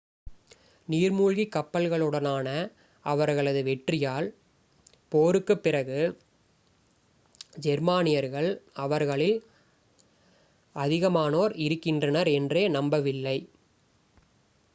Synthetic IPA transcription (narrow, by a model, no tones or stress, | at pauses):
niːɾmuːɻɣikːɐpːɐlɣɐɭɯɽɐnaːnɐ | ɐʋɐɾɣɐɭɐðɯʋɛʈrɪjaːl | poːɾɯkːɯpːɪrɐɣɯ | d͡ʒɛɾmaːnɪjɐɾɣɐɭɐʋɐɾɣɐɭɪl | ɐðɪɣɐmaːnoːɾɪɾɯkːɪndrɐnɐɾɛndreːnɐmbɐʋɪlːɐɪ